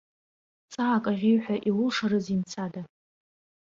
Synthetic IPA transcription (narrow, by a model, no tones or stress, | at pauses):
t͡sʼaːkʼaʁʲijħʷᶣaʔiwʊʂaɾɨzimt͡sʰada